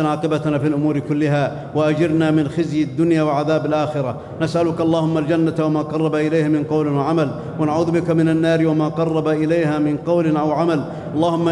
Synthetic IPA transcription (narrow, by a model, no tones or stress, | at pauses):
ʕaːqɪbat̪nafiːlʔʊmuːɾɪkʊlːɪɦa | waʔad͡ʒɪɾnamɪnxɪzjad̪ːʊnjaːwɪʕaðaːbalʔaːxɪɾa | nasʔalʊkʔɑlˤːɑːhʊmːald͡ʒanːat̪wamaːqɑrˤːɑbaʔɪlajhamɪnqɑwlɪnwaʕamal | wanaʕuːðbɪkamɪnanːaːɾwamaːqɑrˤːɑbaʔɪlajɦaːmɪnqɑwlɪnʔawʕamal | ʔɑlˤːɑːhʊmːa